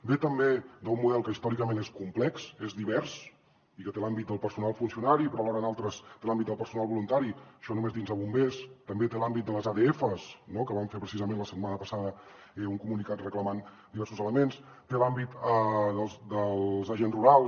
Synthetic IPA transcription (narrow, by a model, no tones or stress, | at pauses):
bet̪əmbed̪əumːuðɛlˠkəist̪ɔɾikəmeneskumplɛksezðiβɛɾs | ikət̪elambit̪̚d̪əlˠpəɾsunalˠfunsiunaɾipəɾalɔɾənalˠt̪ɾəst̪elambit̪d̪əlˠpəɾsunalˠβulunt̪aɾiʃɔnumezðinzəβumbest̪əmbet̪elambit̪̚d̪ələzaðeefəsnokəβaɱfepɾəsizəmẽnləsət̪manəpəsaðə | ɛuŋkumunikat̪rəkləman | d̪iβɛɾsuzələmens | t̪elambit̪əðəlˠzd̪əlzəʒenzruɾal